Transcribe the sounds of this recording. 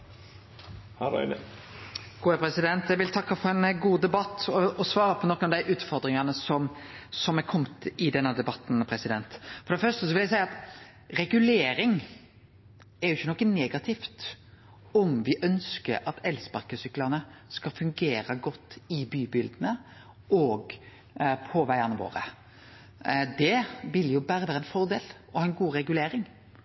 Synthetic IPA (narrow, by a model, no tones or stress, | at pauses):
hɑɾɑ̰ɪn | ɡ̥uːhæpɾɛsɪd̪ɛnt̪jæɪʋɪlt̪ʰɑkːɑfɔɾɛnɡuːd̪ɛbɑt̪ːɔɔsʋɑːɾəpʰɔnɔkːənɑʋd̪æɪʔʉːt̪fɔɾd̪ɾɪŋɑnəsɔmsɔmɛkʰɔmt̪ɪd̪ɛnːəd̪ɛbɑt̪ːn̩pʰɾɛsɪd̪ɛnt̪fɔɾd̪ɛfœʁʂtəsɔʋɪljæɪsæɪɑt̪ | ɾɛɡʉleːɾɪŋ | ɛɾjʊɪçːənɔkːəneːɡɑt̪ʰɪft̪ | ɔmʋɪʔœnskəɾʔɑt̪ɛlspɑɾkəsʏklɑnəskɑlfʉŋɡeːɾəɡɔt̪ːɪbyːbɪld̪nə | ɔːɡ | pʰɔʋæɪɑnəʋo̰ːɾə̰ | d̪ɛʋɪljʊbæːɾəʋæːɾəɛnfɔɾd̪eːl | ɔhɑːɛnɡuːɾɛɡʉleːɾɪŋ